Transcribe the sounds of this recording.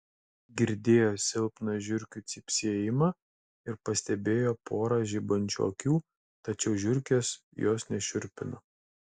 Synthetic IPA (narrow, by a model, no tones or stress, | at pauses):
ɡʲɪɾʲd̪ʲeːjoːsʲɪlˠpnɐʒʲʊɾʲkʲut̪sʲɪpʲsʲiɛjɪmɑ | ɪɾpɐsʲt̪ʲɛbʲeːjoːpʰoːɾɐʒʲibɐnʲt͡ʃʲo̰ːkʲuː | t̪ɐt͡ʃʲɛʊʒʲʊɾʲkʲeːs | joːsnʲɛʃʲʊɾʲpʲɪno